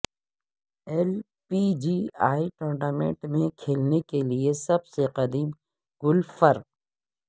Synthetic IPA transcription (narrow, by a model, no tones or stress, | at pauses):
ɛl | pid͡ʒiːaːiʈoːɳɖaːmẽɳʈmẽkʰeːlnekeliesɐbseqɐd̪iːm | ɡ̥ʊlfɐɾq̚